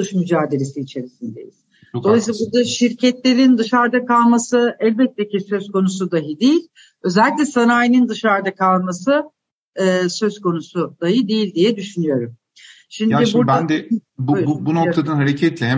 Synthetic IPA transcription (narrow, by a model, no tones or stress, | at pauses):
uʃmyd͡ʒaːd̪e̞ɾesiːt͡ʃʰe̞ɾisind̪ḛjḭz̥ | doajsabuɾd̪aʃiɾcʰɛt̪lʲe̞ɾind̪ɯʃaɾd̪akalˠmasɯɛlʲbɛt̪ʰːecisø̞zko̞nus̬ud̪aɦɯd̪ejilʲ | ø̞zɛlʲːicʲlʲɛsanaːjinind̪ɯʃaɾd̪akʰalˠmasɯ | ɯːsø̞zko̞nusud̪̥ajɯd̪ejilʲd̪ijɛd̪yʃynyjo̞ɾum | ʃimaibuɾbæand̪ɛbuubunokt̪ʰanɯnɦaɾecʰɛt̪lʲɛɦɛ